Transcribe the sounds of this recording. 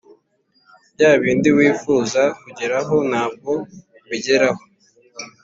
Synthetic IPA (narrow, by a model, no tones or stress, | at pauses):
bɟaːβiːndiwiːfuːzakuɟeɾaɦo̞naːb̚ɡo̞ | βiɟeɾaho